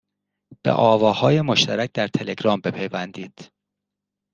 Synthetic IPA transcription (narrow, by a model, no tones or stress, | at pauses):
b̥ḛʔɒːvɒːhɒːje̞mo̞ʃt̪ʰæɾæc̚ʰd̪æɾt̪ʰe̞le̞ɡɾɒːmbe̞pʰe̞jvænd̪iːd̪̥